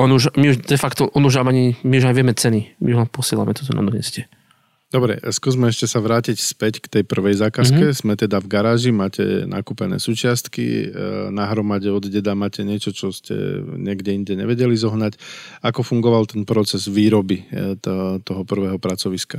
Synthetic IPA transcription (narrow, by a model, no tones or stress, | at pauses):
ɔnuʒmiuʒd̪ɛfakt̪ɔʔɔnuʒamaɲimiuʒaɲʋɪɛmɛt͡sɛnimiuampɔsɪɛla̰mɛt̪ɔt̪ɔna̰d̪ɔɲɛ̰scɛ | d̪ɔbɾɛ̰skuːzmɛɛʃcɛsaʋɾaːcicspɛckt̪ɛjpr̩ʋɛjzaːkaskɛz̥mɛt̪ɛd̪avɡaɾaːʒimaːcɛ̰nʔa̰kupɛnɛ̰ːsuːt͡ʃɪast̪kḭnaɦɾɔmaɟɛɔd̪ɟɛd̪amaːcɛɲɪɛt͡ʃɔt͡ʃɔscɛ̰ɲɛɡɟɛiɲɟɛɲɛ̰ʋɛɟɛlizɔɦnacakɔfuŋɡɔʋalt̪ɛnpɾɔt͡sɛzʋiːɾɔbi | t̪ɔɦɔpr̩ʋɛːɦɔpɾat͡sɔʋiska